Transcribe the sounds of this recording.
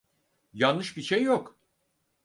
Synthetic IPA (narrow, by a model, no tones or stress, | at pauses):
janɯʃbiʃejːok